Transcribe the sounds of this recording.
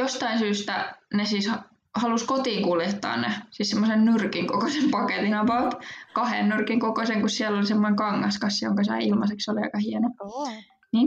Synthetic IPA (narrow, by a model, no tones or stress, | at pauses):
jost̪ɑinsyːst̪ænesiːshɑ | hɑluskot̪iːŋkuljet̪ːɑ̰ːnnḛsiːssemːosennyrkiŋkokosempɑket̪inɑpɑlt̪kɑhḛnːurkiŋkokoseŋkussiɛlːolisemːoneŋkɑŋːɑskɑsjo̰ŋkɑsɑ̰ilmɑseksoliɑ̰ikɑhiɛno | niːn